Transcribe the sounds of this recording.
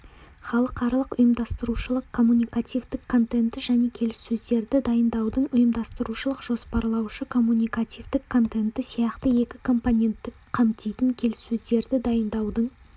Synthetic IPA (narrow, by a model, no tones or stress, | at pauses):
χɑlˠəqɑɾlˠəqʊjəmd̪ɑst̪əɾuʃəlˠəqkʰo̞mːunʲijkat̪ijvd̪ɪkʰːo̞nt̪e̞nt̪ɪʒæne̞kʲʰe̞lɪsːɵzd̪e̞ɾd̪ɪd̪ɑjənd̪ɑwd̪əɴʊjəmd̪ɑst̪əɾuʃəlˠəqʒ̥o̞spɑɾlˠɑwʃəkʰo̞mːunʲijkat̪ʲijvd̪ɪkʰːo̞nt̪e̞nt̪ɪsijɑqt̪əe̞kʲɪkʰo̞mponʲe̞nt̪ːɪkqʰɑmt̪ijt̪ɪŋkʲʰe̞lɪsːɵzd̪e̞ɾd̪ɪd̪ɑjənd̪ɑwd̪əɴ